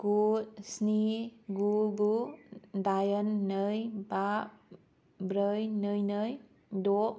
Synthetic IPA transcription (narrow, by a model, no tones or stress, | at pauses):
ɡ̥ut̚sniɡuɡudajənːəjbaʔ | bɾəjnəjnəj | doʔ